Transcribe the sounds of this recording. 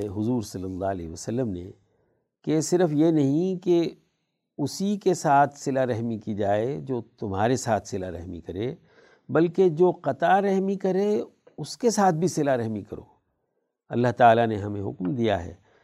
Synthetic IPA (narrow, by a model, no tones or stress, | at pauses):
ɦʊzuːɾsɐlːəlːaːlɛ̰ɦʋəsəlːəmnḛ | kesɪɾəfjenɐɦĩke | ʊsikesaːt̪ʰsɪlaɾɛɦmikid͡ʒaːed͡ʒoːt̪ʊmɦaːɾesaːt̪ʰsɪlaɾɛ̰ɦmḭkɐɾe | bɐlked͡ʒoːqɐt̪aɾɛɦmikɐɾe | ʊskesaːt̪̚ʰbʱisɪlaɾɛɦmikɐɾo̰ː | ɐ̰lːaɦt̪aːlaneɦɐmẽɦʊ̰kmd̪ija̰ɦɛ̰ː